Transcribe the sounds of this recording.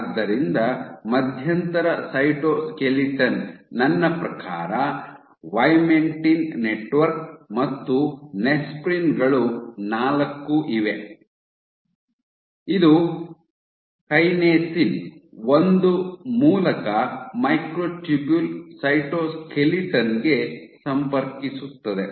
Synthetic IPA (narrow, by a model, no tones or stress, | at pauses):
d̪ːɐɾind̪ɐmɐd̪ʱjɐnt̪ɐɾɐsɐjʈoːskeliʈɐnːɐnːɐpɾɐkaːɾɐ | ʋɐjmeɳʈinːeʈʋɐɾk̚mɐt̪ːunespɾinɡɐɭunaːlɐkːuʔiʋe | id̪u | kɐjneːsinond̪umuːlɐkɐmɐjkɾoːʈubulsɐjʈoːskʰeliʈɐnɡe̞sɐmpɐɾkisut̪ːɐd̪e